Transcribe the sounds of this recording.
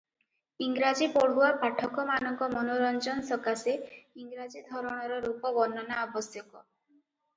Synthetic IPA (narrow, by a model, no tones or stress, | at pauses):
iŋɡɾad͡ʒipoɽ̤uwapaʈʰɔkɔmanɔŋkɔmɔnoɾɔnd͡ʒɔnsɔkaseiŋɡɾad͡ʒid̪ʱɔɾɔɽ̃ɔɾɔɾupɔbɔnːɔnaɔbɔsjɔkɔ